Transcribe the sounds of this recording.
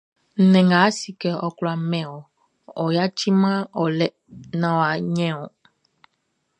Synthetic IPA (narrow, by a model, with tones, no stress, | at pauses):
n̩˨nɛ̃˨ŋɡa˨˦si˨kɛ˨ɔ˨klɔ˨a˨mɛ̃˨wɔ˨ | ɔ˨ja˦t͡ʃi˦mã˦ɔ˨lɛ˨ | nã˨wa˨ɲɛ̃˦ɔ˨